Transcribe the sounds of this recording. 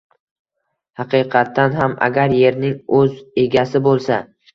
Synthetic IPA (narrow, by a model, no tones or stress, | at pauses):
hɑqʰɨqʰɑt̪ʰːanɦama̰ɡʲaɾje̞ɾnɪŋɵze̞ɡʲasɪbolˠsa